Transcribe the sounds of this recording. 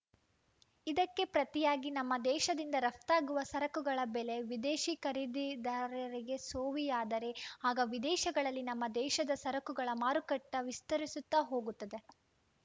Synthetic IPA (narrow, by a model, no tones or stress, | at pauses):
id̪ɐkːe̞pɾɐt̪ijaːɡinɐmːɐd̪ɛːʃɐd̪ind̪ɐɾɐft̪aːɡuʋɐsɐɾɐkuɡɐɭɐbɛle̞ʋid̪eːʃikɐɾid̪id̪ɐɾɐɾiɡe̞soːʋijaːd̪ɐɾe̞aːɡɐʋid̪ɛːʃɐɡɐɭɐlːinɐmːɐd̪ɛːʃɐd̪ɐsɐɾɐkuɡɐɭɐmaːɾukɐʈːɐʋist̪ɐɾisut̪ːaɦo̞ːɡut̪ːɐd̪e̞